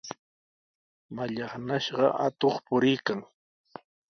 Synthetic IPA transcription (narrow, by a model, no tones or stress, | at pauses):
maʎɑχnaʃɢɑ̰ʔa̰t̪oχpʊɾɪjkaŋ